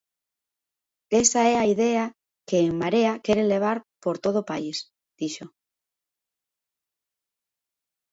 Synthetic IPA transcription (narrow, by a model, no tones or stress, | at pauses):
esaeaiðea | keːŋmaɾeakeɾenle̞β̞aɾpoɾt̪oð̞opais | d̪̥iʃo